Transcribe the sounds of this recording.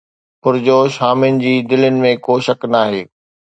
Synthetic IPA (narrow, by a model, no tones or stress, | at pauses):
pʊɾd͡ʑoːʃaːmɪnɪ̆d͡ʑiːd̪ɪlənɪ̆mẽkoːʃɐknaːɦeː